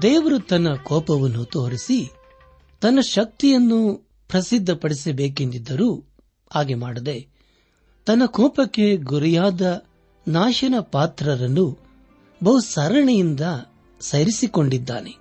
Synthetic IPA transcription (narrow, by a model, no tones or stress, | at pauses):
d̪ɛːʋɐɾut̪ɐnːɐkɔːpɐʋɐnːut̪oːɾisi | t̪ɐnːɐʃɐk̚t̪ijɐnːu | pɾɐsid̪ʱːɐpɐɽisɐbeːkend̪id̪ːɐɾuː | haːɡemaːɽɐd̪e̞ | t̪ɐnːɐkɔːpɐkːe̞ɡuɾijaːd̪ɐ | naːʃɐnɐpaːt̪ɾɐɾɐnːu | bɐɦusɐɾɐɳɐjind̪ɐ | sɐjɾisiko̞ɳɖid̪ːa̰ːne̞